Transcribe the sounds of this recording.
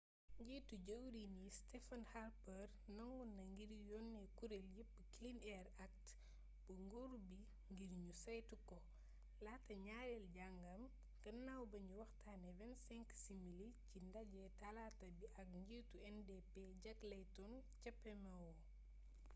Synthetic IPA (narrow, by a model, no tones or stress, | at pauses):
ɲɟituɟɐwɾinistɛfɐnharpɐrnɐŋwunːɐŋɡiɾjɔnːɛkuɾeljip̚ːklinɛɾak̚t | buŋɡoɾubi | ŋɡiɾɲusɐjtukɔ | latɐɲaɾɛlɟaŋɡɐm | ɡɐnːawbɐɲuwɐxtʰanɛvɛnsɛŋksimilicindɐɟɛtɐlatɐbiʔɐk̚ɲɡiːtuɛndepeɟɐklɐjtɔn | cɐpːɛmɐwɔ